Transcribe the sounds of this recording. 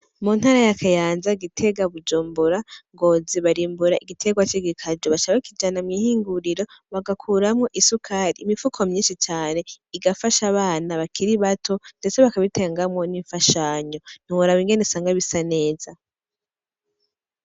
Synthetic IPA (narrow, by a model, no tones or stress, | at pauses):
mun̥haɾajakʰajaːnzaiɡitʰe̞ɡaβud͡ʒuːmbuɾaŋɡo̞ːziβaɾiːmbuɾaʔiɡitʰe̞ɡwat͡ʃiɡikʰad͡ʒoβat͡ʃaβakid͡ʒanamwihiːŋɡuɾiɾo̞βaɡakʰuːɾamŋo̞ʔisukʰaɾiːmifukʰomɲiːnʃit͡ʃaːne̞ | iɡafaʃaβaːnaβakʰiɾiβatʰo̞ndet͡se̞βakaβiteːŋɡamŋo̞niɱfaʃaːɲo̞n̥iwoɾawiŋɡe̞nesaːŋɡaβisane̞ːz̥a